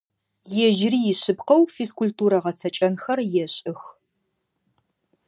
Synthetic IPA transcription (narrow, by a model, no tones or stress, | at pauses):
jɛʒrijɪɕɨpqɐwfiskʷultuːɾɐʁɐt͡sʰɐt͡ʃʼɐnxɐrjɛɕʼɪx